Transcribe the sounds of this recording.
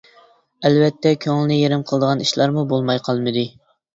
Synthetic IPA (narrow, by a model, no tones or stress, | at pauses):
ælvɛt̪ːɛkʲʰøŋlɪnɪjeɾɪmqʰəlˠd̪əʁɑniʃlˠɑɾmubolˠmɑjqʰɑlˠmɨd̪ɨ